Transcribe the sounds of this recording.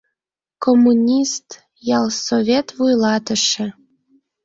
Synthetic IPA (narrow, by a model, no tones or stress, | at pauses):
komːunʲist̪ | jɑlˠsovʲet̪vujlɑt̪ə̆ʃĕ